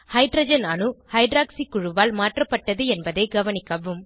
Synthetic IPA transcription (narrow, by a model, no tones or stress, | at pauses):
hɐɪɖɾɐd͡ʒɐnɐɳɯhɐɪɖɾaːksikːʊɻʊʋaːlmaːʈrɐpːɐʈːɐðɯɛnbɐðɐɪɡɐʋɐnɪkːɐʋɯm